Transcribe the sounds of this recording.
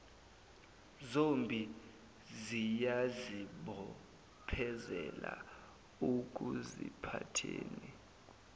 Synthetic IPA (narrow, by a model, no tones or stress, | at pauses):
zombʱi | zijaziɓɔ | pʰɛzɛla | uk̬ʼuzḭpʰatʰeːnɛ